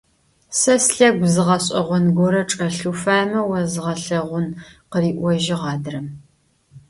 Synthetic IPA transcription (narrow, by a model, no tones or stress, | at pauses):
sɐsɬɐɡʷzɨʁɐɕʼɐ̰ʁʷɔnɡʷɔɾɐʈ͡ʂʼɐɬufaːmɐwɐzɨʁɐɬɐʁʷʊnqəriːʔʷɔʒɪʁɑːdɨrɐm